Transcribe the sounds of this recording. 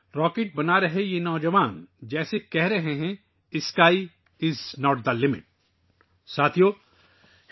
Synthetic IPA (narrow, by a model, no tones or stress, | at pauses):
ɾɔːkeːʈ̚bɐnaɾɐɦejenɔːd͡ʒɐʋaːnd͡ʒɛːsekɛɦɾɐɦẽɦɛ̃ | ɪskaːi | ɪznɔːʈ̚d̪alɪmɪ̰ʈ̚ | saːt̪ʰijoː